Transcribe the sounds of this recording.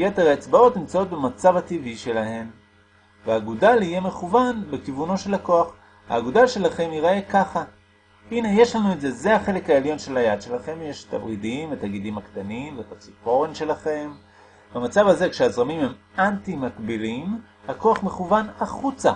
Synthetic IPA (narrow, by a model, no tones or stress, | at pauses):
jeteʁaet͡sbao̞tnimt͡sao̞t̪̚bemat͡savativiʃe̞lahe̞m | veaːɡudalije̞me̞χuvanbekivuno̞ʃe̞lhako̞aχ | ha̰ːɡudalʃe̞laχe̞miʁae̞kaχa | ine̞je̞ʃlanue̞tze̞ze̞haχe̞le̞khaeljo̞nʃe̞lajad̪ʃe̞laχe̞mjeʃt̪a̰bʁidimvet̪aɡidimakt̪animveet̪at͡sipo̞ʁenʃe̞laχe̞m | bamat͡savaze̞kʃeazʁamimhem | antimakbilim | hako̞aχme̞χuvanaχut͡sa